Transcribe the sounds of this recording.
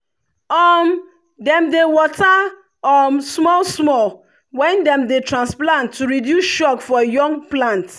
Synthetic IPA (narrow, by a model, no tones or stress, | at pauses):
ɔm | dɛ̃mdewɔta | ɔmsmɔlsmɔl | wɛ̃ndɛ̃mdetɹãnsplãntʰːuɹidjusʃɔkfɔjɔ̃ŋplãnt